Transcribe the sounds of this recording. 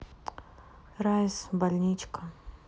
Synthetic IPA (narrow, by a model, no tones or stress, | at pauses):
ɾajsbalʲnʲit͡ʃka